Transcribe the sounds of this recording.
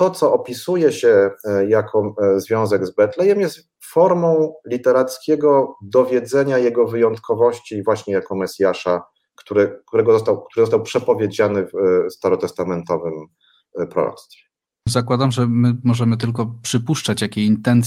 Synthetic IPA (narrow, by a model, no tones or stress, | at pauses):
t̪ɔt̪sɔʔɔpʲisujɛɕɛjakʰɔzvʲjɔ̃w̃zɛɡzbɛt̪lɛjɛmjɛst̪ | fɔɾmɔ̃w̃lʲit̪ɛɾat̪skʲɛɡɔd̪ɔvʲjɛd̪zɛɲajɛɡɔvɘjɔnt̪kʰɔvɔɕt͡ɕivwaɕɲɛjakɔmɛsʲjaʂa | kt̪uɾɛkt̪uɾɛɡɔzɔst̪awkt̪uɾɘzɔst̪awpʂɛpɔvʲjed͡ʑanɘfst̪aɾɔt̪ɛst̪amɛnt̪ɔvɘm | pɾɔ̰ɾɔ̰t̪st̪fʲɛ | zakwad̪amʐɛmɘmɔʐɛmɘt̪̬ɘlkɔpʂɘpuʂt͡ʂat͡ɕjakʲeint̪ɛnt̪